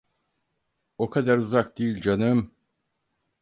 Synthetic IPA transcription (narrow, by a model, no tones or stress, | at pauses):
o̞kʰad̪aɾuzak̚d̪ejilʲd͡ʒanɯm